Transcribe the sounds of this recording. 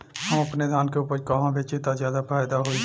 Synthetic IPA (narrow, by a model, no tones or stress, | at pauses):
ɦə̃mɐpned̪ʱaːnkeʊpəɾkaɦãbeːt͡ʃit̪azjaːd̪afaːjd̪aɦoi